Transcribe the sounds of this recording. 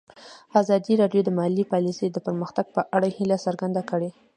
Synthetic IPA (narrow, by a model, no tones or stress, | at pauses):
azɑd̪iɾɑɖjod̪əmahalipɑlisejd̪əpəɾməxt̪aɡ̚pəʔaɽahilasaɾɡand̪akəɽe